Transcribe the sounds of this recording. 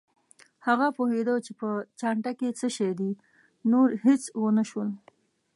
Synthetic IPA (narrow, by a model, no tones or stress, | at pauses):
haɣapohed̪ət͡ʃepət͡ʃɑɳʈaket͡səʃajd̪i | noɾhet͡swənəʃwəl